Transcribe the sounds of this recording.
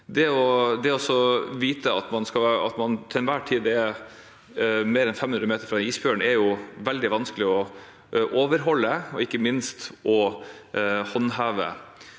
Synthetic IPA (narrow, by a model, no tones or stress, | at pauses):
d̪ɛɔd̪ɛɔsːɔʋiːt̪ʰəɑt̪mɑnskɑɑ̰t̪mɑnt̪ʰɪlnʋæːʈʰiːd̪ɛ | meːɾɛnfɛmːʉnɾəmeːt̪əɾfɾɑd̪ɛniːsbøːəɳɛɾjʊʋɛld̪ɪʋɑnskəlɪɔ | ʔoːʋəɾɦɔlːəɔɪkːəmɪnst̪ʔɔ | hɔnɦɑːʋə̰